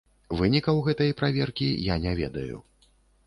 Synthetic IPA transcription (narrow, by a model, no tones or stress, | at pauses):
vɨnʲikɐwɣɛt̪ɐjpɾavʲɛrkʲijanʲɛvʲɛd̪ɐjṵ